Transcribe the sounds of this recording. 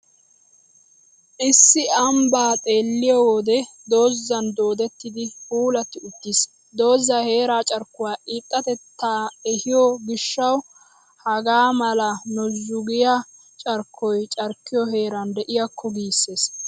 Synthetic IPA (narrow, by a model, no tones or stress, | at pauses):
ʔɪsːɪɐmbaːt̪ʼe̞ːlːɪjɔwɔd̪ɛ | d̪o̞ːzːɐnd̪o̞ːd̪ɛt̪ːɪd̪ɪuːlɐt̪ːɪʊt̪ːis | d̪o̞ːzːɐhe̞ːɾaːt͡ʃʼɐɾkːʊwaːʔiːt̪ʼːɐt̪ɛt̪ːaːɛhɪjɔɡɪʃːɐw | hɐɡaːmɐlɐnɔzʊɡɪja | t͡ʃʼɐɾkːɔjt͡ʃʼɐɾkːɪjɔɦe̞ːɾɐnd̪ɛʔɪjɐkʰːɔɡiːsːe̞ːs